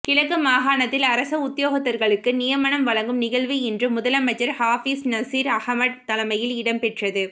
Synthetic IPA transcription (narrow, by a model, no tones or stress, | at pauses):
kɪɻɐkːɯmaːɣaːnɐt̪ːɪlɐɾɐsɐʊt̪ːɪjoːɣɐt̪ːɐɾɣɐɭɯkːɯnɪjɐmɐɳɐmʋɐɭɐŋɡɯmnɪɣɐɭʋiɛndrɯmʊðɐlɐmɐt͡ʃːɐɾhaːfiːsnɐsiːɾɐhmɐɽ̚t̪ɐlɐmɐjɪlɪɽɐmpɛʈrɐðɯ